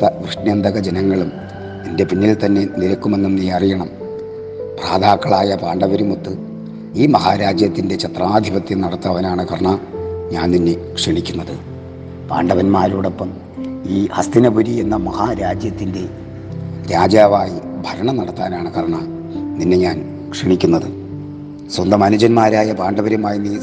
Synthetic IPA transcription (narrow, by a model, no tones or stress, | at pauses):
ɐʋrɨʂɳjɐnd̪ʱɐɣɐd͡ʑenɐŋːɐɭum | ninde̞pinːilt̪ɐnːe̞niɾɐkːume̞nːumniɐrijɐɳɐm | praːd̪aːkːɐɭaːjɐpaːɳɖɐʋɐɾumut̪ːɨ | iːmɐɦaːɾaːd͡ʑjɐt̪ːinde̞t͡ɕɐt̪raːd̪ʱibɐt̪ːjɐnɐɽɐt̪ːɐʋɐnaːɳɨkɐrɐɳaɲaːnninːe̞kʂeɳikʲːunːɐðɨ | pa̰ːɳɖɐʋɐnmaːɾuːɽe̞pːɐm | iːhɐst̪inɐbuɾie̞nːɐmɐhaːɾaːd͡ʑjɐt̪ːinde̞ | ɾaːd͡ʑjaːʋaːjibʱɐɾɐɳɐmnɐɽɐt̪ːaːnaːɳɨkɐrɐɳa | ninːe̞ɲaːn | kʂiɳikʲːunːɐðɨ | swɐnd̪ɐmɐnud͡ʑɐnmaːɾaːjɐpaːɳɖɐbɐɾumaːjiniː